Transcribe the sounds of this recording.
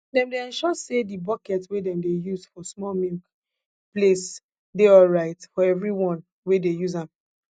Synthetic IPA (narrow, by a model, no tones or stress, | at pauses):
dɛ̃mdeɛ̃nʃɔsedibɔkɛtwedɛ̃mdejuzfɔsmɔlmik | ples | deɔlɹaɪtfɔɛvɹiwɔ̃n | wedejuzãm